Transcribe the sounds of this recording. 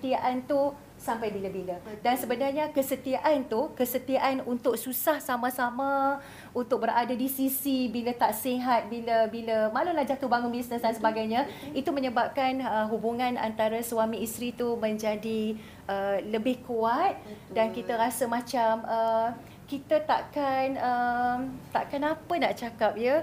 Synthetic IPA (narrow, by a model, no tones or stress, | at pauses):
t̪iaʔant̪u | sampajbilabilədansəbənarɲakəsət̪iaʔant̪ukəsət̪iaʔanunt̪ʊʔk̚susahsamãsamã | unt̪ʊk̚bəɾʔadadisisibilət̪aʔsiɦat̪̚biləbiləmalulahd͡ʒat̪ubaŋʊnbisnəsdansəbaɡajɲãit̪umə̃ɲəbap̚kanəɦubuŋãna̰nt̪aɾaswamiist̪ɾit̪umə̃ɲd͡ʒadi | ələbɪhkuat̪̚dankit̪əɾasəmãt͡ʃamə | kit̪at̪a̰ʔkanəmt̪a̰ʔkanapənaʔt͡ʃakap̚jə